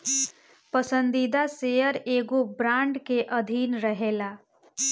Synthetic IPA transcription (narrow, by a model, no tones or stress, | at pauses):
pəsə̃nd̪id̪asejəɾeːɡobɾãːɳɖkeʔəd̪ʱiːnɾəɦeːla